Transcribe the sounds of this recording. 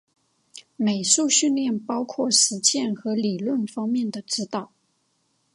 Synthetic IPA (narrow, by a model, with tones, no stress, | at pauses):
me˨˩ɪʂu˥˧ɕy˥˧nljɛ˥˩npɑ˥ʊkʰwɔ˥˩ʂɻ̩˧˥t͡ɕjɛ˥˩nxɤ˧˥li˨˩lwə˥˩nfɑ˥ŋmjɛ˥˩nd̪ə˩ʈ͡ʂɻ̩˥t̪ɑ˨˩˦ʊ